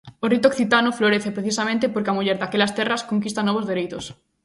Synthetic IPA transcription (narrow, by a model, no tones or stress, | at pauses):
orit̪okθit̪anofloɾeθepɾeθisamẽnt̪epoɾkeamuʎeɾdakelast̪ɛraskoŋkist̪anɔβ̞ozðeɾejt̪os